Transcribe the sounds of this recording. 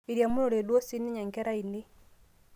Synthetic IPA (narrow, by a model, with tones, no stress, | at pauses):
i˨ɾja˨mu˦no˨ɾe˨dwɔ˦si˦ni˦ɲa˨ŋkɛ˦ɾa˦i˨ne˦